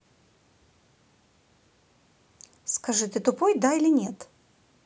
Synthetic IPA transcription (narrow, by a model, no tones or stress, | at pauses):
skɐʐɨt̪ʲɨt̪ʊpojd̪ailʲɪnʲet̪